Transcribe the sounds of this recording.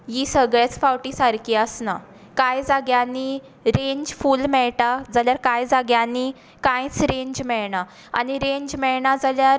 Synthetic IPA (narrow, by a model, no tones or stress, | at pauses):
jisəɡɭet͡sfawʈiːsaɾkiəsna̰ | kajd͡zaɡjãnːi | ɾẽɲd͡ʑfuːlmɛɭʈad͡zaljaɾkajd͡zaɡjanːi | kãjt͡sɾẽɲd͡ʑmɛɭɳa | a̰niɾeɲd͡ʑmɛɭɳad͡zaljaɾ